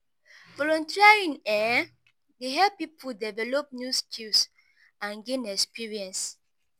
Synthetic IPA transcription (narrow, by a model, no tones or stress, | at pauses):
vɔlɔ̃ntiaɹĩnɛ | deɦɛpipʰudɛvɛlɔp̚njuskʰils | ãnɡẽnɛkspiɹiɛ̃ns